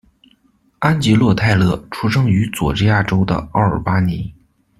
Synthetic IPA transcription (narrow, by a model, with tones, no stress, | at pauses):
a˥nt͡ɕi˧˥lwɔ˥˧t̪ʰa˥˧ɪlɤ˥˩ʈ͡ʂʰu˥ʂɤ˥ŋy˧˥t͡swɔ̰˨˩ʈ͡ʂɻ̩˥ja˥˩ʈ͡ʂo˥ʊd̪ə̰˨ɑ˥˩ə̰˞˨˩pa˥ni˧˥